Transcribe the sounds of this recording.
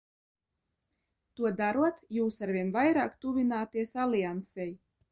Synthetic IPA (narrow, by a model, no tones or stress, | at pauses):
t̪uɔd̪aɾuɔt̪juːsaɾvʲiɛnvajɾa̰ːkt̪uvʲinaːt̪iɛsalʲˠiansɛj